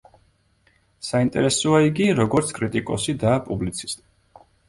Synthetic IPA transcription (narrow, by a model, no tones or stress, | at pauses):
saint̪ʼɛ̰ɾɛsɔaiɡiɾɔɡɔɾt̪sʰkʼɾit̪ʼikʼɔsid̪aːpʼublit̪sʰi̥st̪ʼi̥